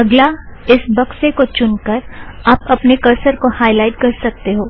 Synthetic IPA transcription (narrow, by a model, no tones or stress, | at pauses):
ɐɡlaɪsbɐksekot͡ʃʊnkɐɾaːpɐpnekɐɾsəɾkohaːɪlaːɪʈkɐɾsɐk̚t̪eɦoː